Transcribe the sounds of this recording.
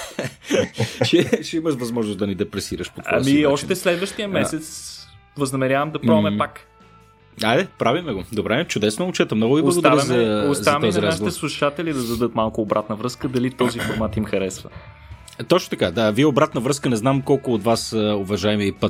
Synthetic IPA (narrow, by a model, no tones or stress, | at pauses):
t͡ʃɛʃɛimɐʃvɐzmɔʒnʊsd̪ɐnid̪ɛpɾɛsiɾəʃpot̪a̰miɔʃt̪ɛslɛd̪vəʃt̪ijəmɛɛt̪svəznɐmɛɾʲavɐmd̪ɐpɾɔvmɛpak | ajdɛpɾavimɛɡod̪obɾɛt͡ʃʊd̪ɛsnʊʊt͡ʃɛt̪əmnɔɡʊiblˠsɐɡodt̪ɐɾizɐoszɐɔziɾaasʃit̪ɛslˠuʃat̪ɛlid̪ɐd̪ɐd̪ɤt̪malˠkʊːbɾat̪nəvɾɤskəd̪ɐlit̪ɔzifoɾmat̪imxɐɾɛsvə̰ | t̪ɔt͡ʃnot̪ɐkad̪aviɛobɾat̪nəvɾɤskənɛznamkɔlˠkʊːt̪vasəovɐʒaɛmiəpə